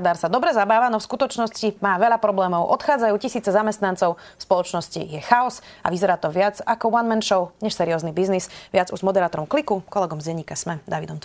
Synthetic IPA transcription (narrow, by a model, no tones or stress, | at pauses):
d̪aːɾsad̪ɔbɾɛzabaːʋanɔfskut̪ɔt͡ʃnɔscimaːʋɛʎapɾɔblɛːmɔʊʔɔt̪xaːd͡zajuːcisiːt͡sɛzamɛst̪nant͡sɔʊfspɔlɔt͡ʃnɔscḭjɛxaɔsa̰ʋizɛɾaːt̪ɔʋɪad͡zakɔwanmɛnʃɔʊɲɛʃsɛɾiɔːznibiznisʋɪad͡zuzmɔd̪ɛɾaːt̪ɔɾɔmklikukɔlɛɡɔmzɟɛɲiːkasmɛd̪aʋid̪ɔmt̪